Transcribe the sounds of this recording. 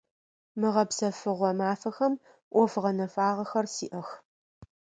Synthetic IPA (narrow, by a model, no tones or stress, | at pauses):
mɨʁɐpsɐfɨʁʷɔmaːfɐxɐm | ʔʷɔfʁɐnɐfaːʁɐxɐrsiːʔɐx